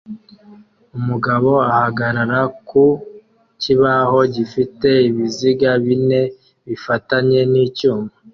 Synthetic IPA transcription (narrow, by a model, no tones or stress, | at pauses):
umuɡaβo̞ahaɡaɾaɾaku | ciβaho̞ɟifite̞iβiziɡaβine̞ | βifataɲe̞niːcuːmba